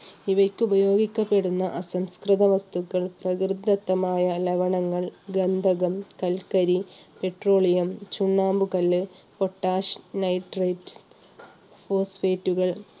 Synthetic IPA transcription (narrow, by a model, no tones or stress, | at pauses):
iʋɐkʲːɨubɐjo̞ːɡikʲːɐpːe̞ɽunːɐʔɐsɐmskrɨðɐʋɐst̪ukːɐɭprɐkrɨd̪ːɐt̪ːɐmaːjɐleʋɐɳɐŋːɐɭɡɐnd̪ʱɐɣɐmkɐlkɐɾipe̞ʈro̞ːɭijɐmt͡ɕuɳːaːmbukɐlːɨpo̞ʈːaːʂnɐjʈreʈ | foːsfeːtːuɣɐɭ